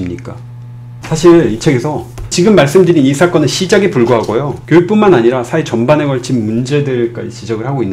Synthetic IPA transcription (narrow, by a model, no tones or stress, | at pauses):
mɲik͈a̰ | sʰaɕʰiɭit͡ɕʰe̞ɡe̞sʰʌt͡ɕiɡɯmːaɭs͈ɯmdɯɾinisʰak͈ʌnɯɕʰid͡ʑaɡipuɭɡoɦaɡojokjojuk̚p͈unmanaɲiɾasʰait͡ɕʌnbane̞ɡʌɭt͡ɕʰinmund͡ʑe̞dɯɭk͈a̰d͡ʑit͡ɕid͡ʑʌɡɯɭhaɡoinː